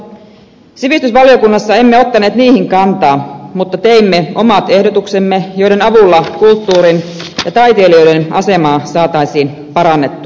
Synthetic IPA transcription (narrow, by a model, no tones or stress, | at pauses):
siʋist̪ysʋɑljo̞kunːɑsːɑe̞mːeo̞t̪ːɑne̞ːt̪niːhiŋkɑnt̪ɑːmut̪ːɑt̪e̞imːeo̞mɑt̪e̞hdot̪ukse̞mːejo̞jɾe̞nɑʋulːɑkult̪ːuːɾinjɑt̪ɑjt̪e̞ːlio̞jde̞nɑ̰se̞mɑːsɑːt̪ɑjsiːn | pɑɾɑnːe̞t̪ːu̥